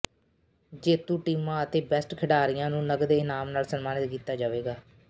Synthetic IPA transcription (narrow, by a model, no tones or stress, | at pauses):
d͡ʒeːt̪ũːʈiːmãːət̪eːbɛːsʈkʰəɖaːɾɪjãːnũːnəɡd̪eːɪnaːmnaːlsənmaːnɪt̪kiːt̪aːd͡ʒaːʋeːɡaː